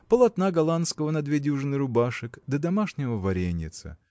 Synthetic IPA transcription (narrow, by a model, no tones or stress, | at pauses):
pəlˠɐt̪naɡɐlˠanskəvənɐd̪vʲedʲuʐɨnɨɾʊbaʂɨkd̪əd̪ɐmaʂnʲɪvəvɐɾʲenʲːɪ̰t̪sɨ̰